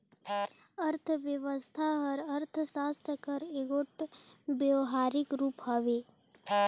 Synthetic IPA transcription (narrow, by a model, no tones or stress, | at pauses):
əɾt̪ʰəʋjəʋəst̪ʰaɦəɾəɾt̪ʰsaːst̪ʰəkəɾeɡoːʈbjəwɦaːɾɪkɾuːpɦaʋeː